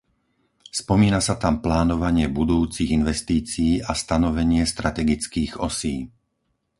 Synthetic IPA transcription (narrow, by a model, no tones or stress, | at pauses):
spɔmiːnasat̪amplaːnɔʋaɲɪɛbud̪uːt͡siɣinʋɛst̪iːt͡siːʔast̪anɔʋɛɲɪɛst̪ɾat̪ɛɡit͡skiːɣɔ̰siː